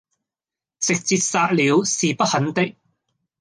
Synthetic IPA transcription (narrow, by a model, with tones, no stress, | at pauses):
sɪ˨k̚t͡siː˧t̚saː˧k̚liː˨˧wsiː˨pɐ˥t̚hɐ˨˥nt̪ɪ˥k̚